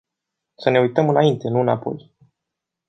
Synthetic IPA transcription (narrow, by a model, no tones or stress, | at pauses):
səne̞ujt̪əmɨnaint̪e̞nuɨnapo̞̰j